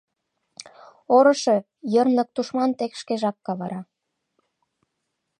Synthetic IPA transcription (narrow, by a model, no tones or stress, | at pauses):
oɾɤ̆ʃe | jərnlɤ̆k̚t̪uʃmɑnt̪ekʃkeʒɑkːɑβɑɾɑ